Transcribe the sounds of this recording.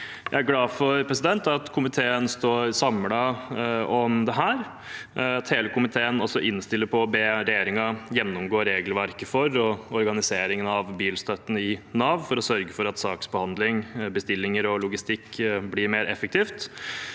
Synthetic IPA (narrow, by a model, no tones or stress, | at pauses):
jæ̰ɪæɾɡlɑːfɔɾpʰɾɛsɪd̪ɛnt̪ɑt̪kʰʊmɪt̪ʰeːənst̪oːɾsɑmlɑ | ɔmd̪ɛɦæːɾ | ɑt̪heːləkʊmɪt̪ʰeːənɔsɔʔɪnst̪ɪlːəɾpʰɔːbeːɾɛjeːɾɪŋɑjɛnːʊmɡoːɾeːɡəlʋæɾkəfɔɾɔɔɾɡɑnɪseːɾɪŋənɑʋbiːlst̪œt̪ːən̩ɪnɑːʋfɔɾɔsœɾɡəfɔɾɑt̪sɑːksbəhɑnd̪lɪŋbəst̪ɪlːɪŋəɾɔlʊɡɪst̪ɪkːblɪɾmeːɾɛfːək̚t̪ʰiːft̪